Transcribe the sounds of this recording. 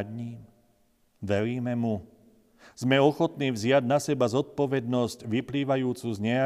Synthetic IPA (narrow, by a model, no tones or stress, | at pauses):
dɲiːm | ʋɛɾiːmɛmu | z̥mɛɔxɔt̪niːʋzɪaɟnasɛbazɔt̪̚pɔʋɛd̪nɔscʋipliːʋajuːt͡suzɲɛa